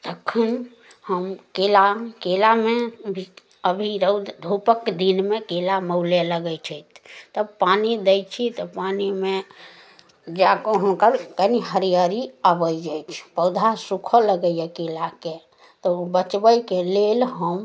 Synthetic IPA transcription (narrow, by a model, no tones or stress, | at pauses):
t̪əkʰːən | həmkelakelamebʱi | əbʱiɾəd̪ʱupəkd̪inmekelaməʊleləɡət͡ʃʰəjt̪ʰt̪əpanid̪əjt͡ʃʰit̪ɔpanime | d͡ʒakoɦunkəɾkəniɦəɾijəɾiabəjd͡ʒajt͡ʃʰpəwd̪ʱasukʰələɡəjɛkelake | t̪ɔubət͡ʃbəjkelelɦəm